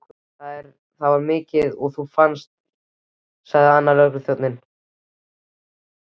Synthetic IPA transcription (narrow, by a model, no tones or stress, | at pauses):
θaðɛɾ | θaðvaɾmɪːcɪðɔɣθufanst̪̚ | saɣðɪanːaɾlɛkɾʏθjɔwt̪nɪn